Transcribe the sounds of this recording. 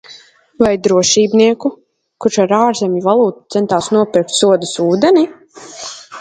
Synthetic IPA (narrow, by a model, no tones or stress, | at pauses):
vajd̪ɾuɔʃiːbniɛku | kuʃaɾaːɾzʲemʲjivalˠuːt̪u̥t̪sɛnt̪aːsnuɔpʲiɾk̚t̪suɔd̪əsuːd̪ɛni